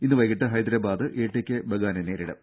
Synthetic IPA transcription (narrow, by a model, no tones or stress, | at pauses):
inːɨʋɐjkːiʈːɨɦɐjd̪ɾɐbaːd̪ɨʔeːʈːekʲːebʱɐɡaːnɐneːɾiɽɐ̰